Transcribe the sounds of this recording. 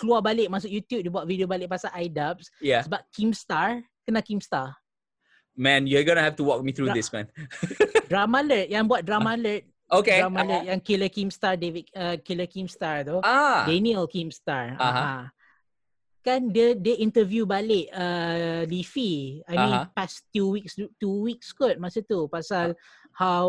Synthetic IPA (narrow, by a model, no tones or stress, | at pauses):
kəluabalɪʔ̚mas̬ʊkjut̪jup̚debuat̪̚vidiobalɪʔ̚pasaʔajdap̚sjaəbap̚kimst̪aɹ | kənakimst̪a | mɛ̃njuaɡonəhɛftuwɔk̚mit̪ɾudismɛ̰̃n | dɹamalət̪̚jãbuat̪̚dɾamalət̪̚ | okedɾamalət̚jãŋkiləkimst̪aɹdevit̪̚əkiləkĩmstaɹt̪oadɛniəlkĩmst̪aɹaɦaã | kandədeĩntəvjubalɪʔəlifiajmĩnpast̪juwiksutuwik̚skɔt̚masut̪upasal | haw